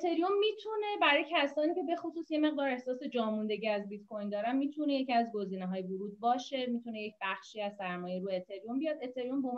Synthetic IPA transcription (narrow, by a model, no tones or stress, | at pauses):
et̪ʰe̞ɾiomːiːt̪ʰune̞bæɾɒːjecʰæsɒːniːcʰe̞bexosuːsje̞me̞ɣd̪ɒːɾe̞hsɒːse̞d͡ʒɒːmund̪e̞ɟiæzbit̪kʰojnd̪ɒːɾænmiːt̪ʰuneje̞cʰiæzɡo̞ziːneɦɒːjevuɾuːd̪̚bɒːʃe̞miːt̪ʰune̞je̞c̚ʰbæχʃiːæzsæɾmɒːjejɾuet̪ʰe̞ɾiombijɒd̪et̪ʰe̞ɾiombou